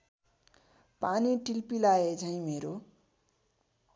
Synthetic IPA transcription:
paniʈilpilajet͡sʰʌĩmeɾo

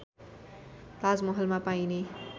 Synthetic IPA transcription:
pad͡zmʌɦʌlmapaine

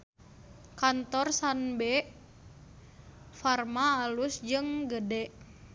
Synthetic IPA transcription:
kant̪ɔrsanbɛ | farmaːlusd͡ʒɨŋɡədɛʔ

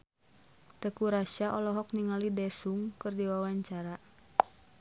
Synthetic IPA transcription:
t̪əkuɾaʃaʔɔlɔɦɔk̚niŋalidɛsuŋkɨrdiwawaɲt͡ʃaɾa

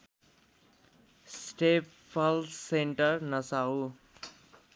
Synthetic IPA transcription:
sʈep | pʰʌlseɳʈʌrnʌsau

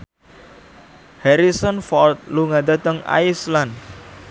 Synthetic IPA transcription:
hɛɾisɔnfɔlt̪̚luŋad̪a̤t̪əŋa̰islan

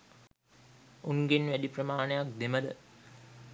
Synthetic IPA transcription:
uŋɡenʋædiprəmaːnəjak̚d̪eməd̪ə̰

